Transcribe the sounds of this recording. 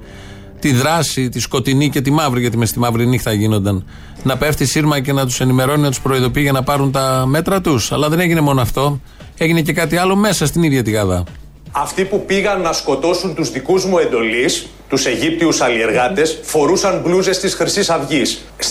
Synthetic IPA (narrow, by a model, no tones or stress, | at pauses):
t̪iðɾɐsit̪isko̞t̪inice̞t̪̬imɐvɾiʝɐt̪imest̪imɐvɾinixt̪ɐʝino̞nd̪ɐn | nɐpe̞ft̪isiɾmɐce̞nɐt̪u̥se̞nime̞ɾo̞ninɐt̪uspɾo̞iðo̞piiʝɐnɐpɐɾunt̪ɐme̞t̪ɾɐt̪usɐlɐðe̞ne̞ʝine̞mo̞noɐft̪o̞ | e̞ʝine̞ce̞kɐt̪iɐlo̞me̞sɐst̪iniðʝɐt̪iɣɐðɐ̰ | ɐft̪ipupiɣɐnːɐsko̞t̪o̞sunt̪uzðikuzmue̞nd̪o̞lis | t̪use̞ʝip̚t̪iusɐlie̞ɾɣɐt̪e̞sfo̞ɾusɐnbluze̞st̪isxɾisisɐvʝis | s